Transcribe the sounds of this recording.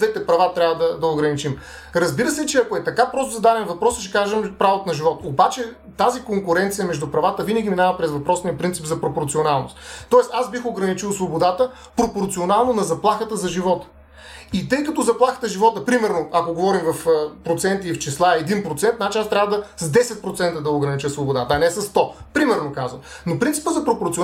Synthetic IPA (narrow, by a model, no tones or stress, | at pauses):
d̪vɛt̪ɛpɾɐvat̪ɾʲavɐd̪ɐd̪ɐoɡɾɐnit͡ʃim | ɾɐzbiɾəsɛt͡ʃɛɐkoɛt̪ɐkapɾɔst̪ʊzɐd̪ad̪ɛnvɐpɾɔsət͡ʃɛ̥kaʒɛmpɾavot̪onɐʒivɔt̪obat͡ʃɛ | t̪azikoŋkʊɾɛnt̪sijəmɛʒd̪upɾɐvat̪əvinəɡʲiminavɐpɾɛzvɐpɾɔsnijɐpɾint̪sipzɐpɾopoɾt̪sionalˠno̰st̪t̪ːɔɛst̪azbixoɡɾɐnit͡ʃilˠsvobod̪at̪ə | pɾopoɾt̪sionalˠnonɐzɐplˠaxət̪əzɐʒivɔt̪ə̥ | it̪ɤjkɐt̪ozɐplˠaxə̥t̪əʒivɔt̪əpɾimɛɾnoakoɡovɔɾimvɐfəpɾot̪sɛnt̪iːft͡ʃislˠaɛɛd̪inpɾot̪sɛnt̪nat͡ʃinast̪ɾʲavəd̪əszd̪ɛsɛt̪̚pɾot̪sɛnt̪əd̪ɐoɡɾɐnit͡ʃəsvobod̪at̪əɐnɛsɐst̪ɔpɾimɛɾnokazvəmnopɾint̪i̥pəzɐpɾopoɾt̪si